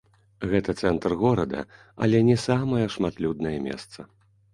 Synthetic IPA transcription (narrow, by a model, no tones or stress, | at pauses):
ɣɛt̪ɐt̪sɛnt̪rɣɔɾɐd̪ɐ̰ | ɐ̰lʲɛnʲɛsamɐjɐʂmat̪lʲud̪̚nɐjɐmʲɛ̰st̪sɐ